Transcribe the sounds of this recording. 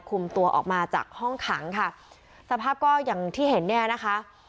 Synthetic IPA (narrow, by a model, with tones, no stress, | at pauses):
kʰu˧mt̪u˧ɐʔɔ̰ː˨˩k̚maː˧t͡ɕa̰ː˨˩k̚hɔ˥˩ŋkʰaː˩˦ŋkʰa˥˩ | sa˧˦pʰaː˥˩p̚kɔː˥˩jaː˨˩ŋt̪ʰiː˥˩he˩˦nːɛː˥˩na˦˥kʰa˦˥ʔ